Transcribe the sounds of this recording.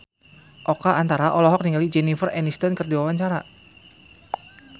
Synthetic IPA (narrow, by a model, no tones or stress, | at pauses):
ʔɔkaʔant̪aɾaʔɔlɔɦɔk̚niŋalid͡ʒɛnifərɛnist̪ɔnkərdiwawaɲt͡ʃaɾa